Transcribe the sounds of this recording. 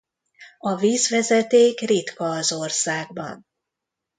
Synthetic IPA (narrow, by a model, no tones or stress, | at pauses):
ɒviːzvɛzɛt̪eːkrit̪kɒːzo̞rsaːɡbɒ̰n